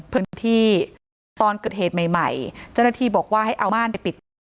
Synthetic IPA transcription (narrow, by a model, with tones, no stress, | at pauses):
pʰɯ˥˧n˧t̪ʰiː˥˩ | t̪ɔː˧nkɤː˨˩t̪̚heː˨˩t̪̚ma˨˩jma˨˩jt͡ɕa˥˩na˥t̪ʰiː˧bɔː˨˩k̚waː˥˩ɦa˥˩jʔa˧wmaː˥˩˨npa˧jpi˨˩t̪̚